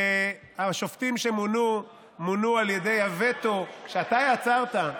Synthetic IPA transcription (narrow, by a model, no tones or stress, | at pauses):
e | aʃoft̪imʃemunu | munualjede̞jhavet̪okʃeat̪ajat͡saʁt̪a